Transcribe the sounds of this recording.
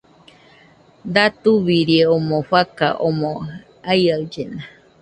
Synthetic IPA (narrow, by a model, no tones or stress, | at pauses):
d̪at̪uβiɾieomõɸaka̰ʔomõ | aiaɨd͡ʒena